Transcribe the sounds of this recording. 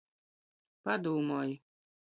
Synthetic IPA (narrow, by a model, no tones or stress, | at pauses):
pad̪uːmɔːj